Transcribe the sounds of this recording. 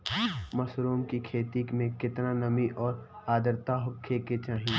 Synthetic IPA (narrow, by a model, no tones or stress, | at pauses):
mɐsɾoːmkikʰeːt̪ikmẽkɪt̪nanɐmiʔɔːɾ | aːd̪əɾt̪aɦʊkʰːeket͡ʃaːɦĩ